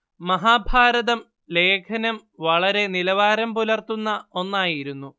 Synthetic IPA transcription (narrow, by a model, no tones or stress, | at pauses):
mɐɦaːbʱaːɾɐðɐm | le̞ːkʰɐnɐmʋɐɭɐɾe̞nilɐʋaːɾɐmpulɐrt̪unːɐo̞nːaːjiɾunːu